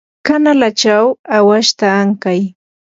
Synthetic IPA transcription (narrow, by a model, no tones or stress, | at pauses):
kanalat͡ʃawawaʃt̪aːŋkaj